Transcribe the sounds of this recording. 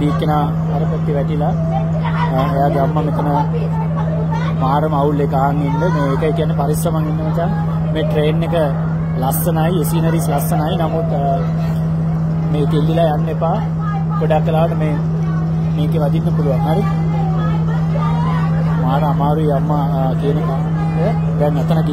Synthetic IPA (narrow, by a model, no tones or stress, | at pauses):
d̪iːkːenaː | ɐɾəpɐt̪ːiʋɛʈila | ejaːɡeamːamet̪ɐnə | maːɾɐmɐulːekaːŋinlemeːkəekijanːepaɾisɾɐmaŋinːəʋət͡ʃan | meːʈɾeːnːekə | lasːɐnaːjiesiːnəɾislɐsːɐnaːinamut̪ | meːk̪elːilajanːepaː | ɡoɖakːelaːʋɐʈəmeː | meːɡeʋɐd̪inːəpuluʋaŋɦaɾi | maːɾəamaːɾuijamːa | kijənəkaː | inde | bɛŋnɛt̪ənəki